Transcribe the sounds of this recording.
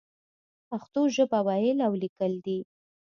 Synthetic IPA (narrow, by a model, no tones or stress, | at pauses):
paxt̪oʒəbawɑjəlawlikəld̪i